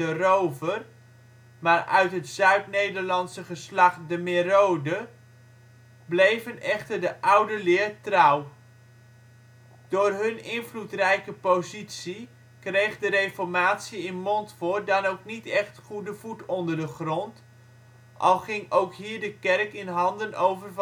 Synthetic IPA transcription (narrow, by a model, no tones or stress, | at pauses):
ərowvər | maːrœ̰ɥtɦətsœɥtnejdərlɑntsəχəslɑχdəmɪrowdə | blejvənɛχtərdəʔʌwdəlɪːrtrʌw | d̥ʊːrɦɵnɪnvlutrɛjkəpozitsi | krejχdərejfɔɹmaːtsiɪnmɔntfʊːrdɑnowknitɛχtχudəvutɔndəɹdəχrɔnt | ʔɑ̰lˠχɪŋowkɦiːɹdəkɛrkɪnɦɑndənʔowvərv